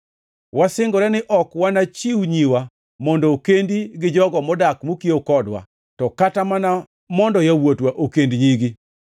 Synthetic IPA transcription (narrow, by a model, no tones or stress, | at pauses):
wasɪŋɡɔɾɛnɪʔɔkwanat͡ʃiwɲiwa | mɔndɔːkendiɡɪd͡ʒɔɡɔmɔdakmokiokɔdwa̰ | tɔkatamana | mɔndɔjawotwaʔokendɲiɡi